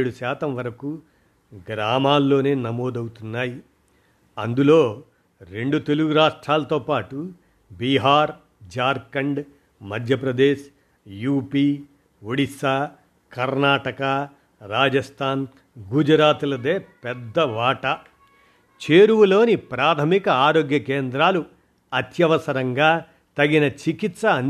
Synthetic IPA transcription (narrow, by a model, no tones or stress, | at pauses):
ɽuʃɛːt̪ɐmʋɐɾɐku | ɡɾaːmaːlːo̞ːneːnɐmoːd̪ɐwut̪unːaːji | ɐnd̪ulo̞ː | ɾeɳɖut̪e̞luɡuɾaːʂʈɾaːlɐt̪oːpaːʈu | biɦaːɾ | d͡ʒaːɾkɐɳɖ | mɐd̪ʱjɐpɾɐd̪eːʃ | juːpiː | uɽisaː | kɐɾnaːʈɐkɐ | ɾaːd͡ʒɐst̪ʰaːn | ɡud͡ʒɐɾaːt̪ulɐd̪eːpɛd̪ːɐʋaːʈɐ | t͡ʃeːɾuʋulo̞ːnipɾaːt̪ʰɐmikɐaːɾoːɡjɐkeːnd̪ɾaːlu | ɐt̪jɐʋɐsɐɾɐŋɡaː | t̪ɐɡinɐt͡ʃikit̪sɐn